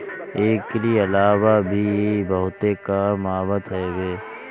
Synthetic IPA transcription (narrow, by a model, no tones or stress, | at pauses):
eːkːelieɐlaːwabʱibəɦʊt̪ekamaːbət̪ɦɛːɡeː